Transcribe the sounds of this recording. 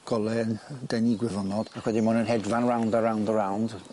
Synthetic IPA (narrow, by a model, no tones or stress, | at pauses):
ɡ̥ɔlˠɛəndejniɡwɛvɔnɔd̥akʰwɛdimɔnənɦɛdvanɹawndəɾawndəɹawnd̥